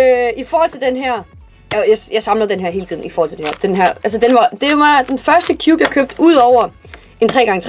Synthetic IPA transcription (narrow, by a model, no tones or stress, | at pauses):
øifɒɔːhɒl̰t͡sʰe̝ld̥enɦæɐ̰ | æjajɑ̈ɪsɑ̈mləð̩ˠd̥enɦæɐɦe̝ːlət͡sʰḭðˠn̩ifɒɔːhɒl̰t͡sʰedeheɐd̥enɦæɐ̰æls̬əd̥enʋɑ̈d̥e̝oʋɑ̈d̥enfɶɐsd̥əkʰjṵːb̥jɑ̈ɪkʰøːb̥̚d̥uð̰ˠɒʊɐ | e̝nt͡sʰʁɛ̰ːɡ̥ɑ̈ŋət͡sʰ